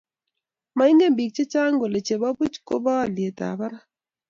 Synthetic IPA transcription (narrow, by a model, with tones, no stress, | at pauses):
ma˨ɪ˦ŋɡe˦mbi˨k̚t͡ʃe˦t͡ʃa˦ŋɡo˨le˨t͡ʃe˨ba˦bu˦t͡ʃko̰˦ba˦˨lje˨ta̰˨ba˦ɾa˦